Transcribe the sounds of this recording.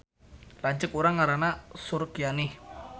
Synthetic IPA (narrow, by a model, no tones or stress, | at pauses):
laɲt͡ʃəkuɾaŋːaɾanasuɾkjanih